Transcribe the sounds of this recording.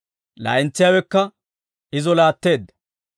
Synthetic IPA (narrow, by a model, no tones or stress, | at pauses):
la̰ːʔɪnt͡sːɪjawɛkːɐ | ɪzɔlaːt̪ːe̞ːd̪ːɐ̥